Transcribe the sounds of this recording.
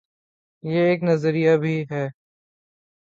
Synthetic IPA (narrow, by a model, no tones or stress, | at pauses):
jeːeːknɐzəɾijabʱiːɦɛː